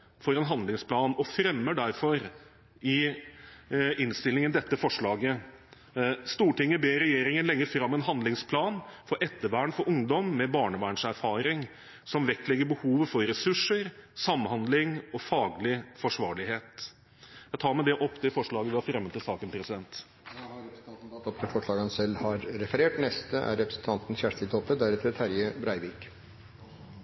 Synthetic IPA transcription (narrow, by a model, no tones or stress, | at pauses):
fɔɾɛnɦɑnd̪lɪŋspʰlɑːnɔfɾɛmːəɖæɾfɔɾ | ɪ | ɪnst̪ɪlɪŋənd̪ɛt̪ːəfɔʂɭɑːɡə | st̪uːʈɪŋːəbeːɾɛjeːɾɪŋənlɛŋːəɾfɾɑmːɛnɦɑnd̪lɪŋspʰlɑːnfɔɾʔɛt̪ːəʋæːɳfɔɾʊŋd̪ɔmːɛbɑːɳəʋæːɳʂæɾfɑːɾɪŋ | sɔmʋɛkt̪lɛɡːəɾbəhuːʋəfɔɾɾɛsʉʂːəɾsɑmːhɑnd̪lɪŋɔfɑːɡlɪfɔʂʋɑːɭɪɦeːt̪ | jæɪt̪ʰɑːɾmæɪd̪ɛʔɔpːt̪ʰɪfɔʂɭɑːɡəʋ̪ɪɑɾfɾɛmːət̪ɪlsɑːkənpʰɾɛsɪd̪ɛnt̪ː | ɛs̩t̪ɑnt̪n̩t̪ɑt̪ːɔp̚t̪ʰɪlfɔʂɭɑːɡɑnsɛlːhɑɾːɛfəɾeːʈnɛst̪əʔæ̰ɾɾɛpɾəsn̩t̪ʰɑnt̪n̩çæʂt̪ɪlt̪ʰɔpːəd̪æɾɛt̪ʰɾət̪ʰæɾjəbɾæɪʋiːk